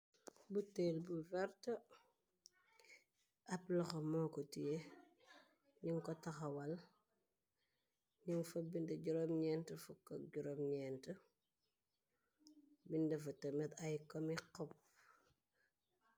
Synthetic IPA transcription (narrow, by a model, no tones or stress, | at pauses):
butelbuvɛɾtɐ | ʔɐplɐxɐmɔːkɔtije | ɲiŋkɔtɐxɐwɐl | ɲiŋfɐbindɛɟuɾomɲɛːntəfukːɐɟuɾomɲɛntə | bindɐfɐtɐmɛt̪ɐjkɔmiqɔp̚